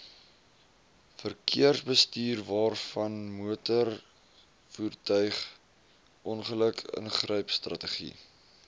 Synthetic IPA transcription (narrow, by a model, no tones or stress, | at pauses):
fərkʰḭərsbəstiːrvɑːrfɐnmuətər | fuːrtœɥχ | ʔɔnχələkʰə̰nχrœɥpstrɐtəχḭ